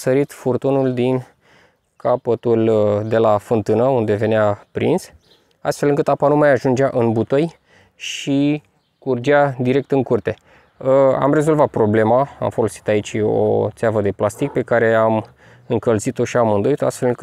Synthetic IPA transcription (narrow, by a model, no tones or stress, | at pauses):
səɾit̪furt̪unuld̪in | kʰapət̪uld̪e̞lafɨnt̪ɨnəund̪e̞ve̞neapɾḭns | a̰st̪fe̞lɨŋkɨt̪apanumajaʒund͡ʒeaʔɨnbut̪oj | ʃi | kurd͡ʒad̪iɾe̞k̚t̪ɨŋkurt̪e̞ | a̰mɾe̞zo̞lvat̪̚pɾo̞ble̞maa̰mfo̞lo̞si̥t̪ait͡ʃo̰t̪seavəd̪e̞plast̪ik̚pe̞kaɾe̞am | ɨŋkəlzit̪o̞ʃiamɨnd̪o̞it̪oast̪felɨŋkɨ